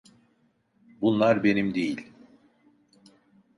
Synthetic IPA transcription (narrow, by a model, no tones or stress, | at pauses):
bunlˠaɾbe̞nimd̪e̞jilʲ